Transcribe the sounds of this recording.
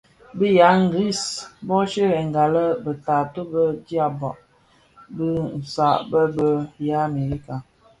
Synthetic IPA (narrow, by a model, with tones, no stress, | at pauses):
bi˦ja˨˦ŋ̩˦ɡɾi˦˨sbɔ˦ʃe˦ɾɛ˨ŋ˨ɡa˨lə˦bə˨ta˨to˦bə˦d͡ʒja˦bɔ̰˨ʔ | bə˦n̩˨sa˦˨ʔbə˦bə˦ja˦˨me˨ɾi˦ka˨